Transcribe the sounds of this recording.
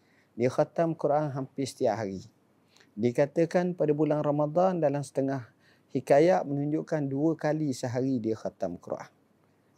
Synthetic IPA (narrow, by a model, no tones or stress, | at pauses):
dixat̪amkuɾʔaŋɦampɪsə̥t̪iaʔɦaɾi | dikat̪əkanpadabulaŋramad̪ɑndalamsə̥t̪əŋah | hikajaʔmənuɲd͡ʒuʔkanduəkalisəɦaɾidixat̪amkuɾ̰ʔa̰ŋ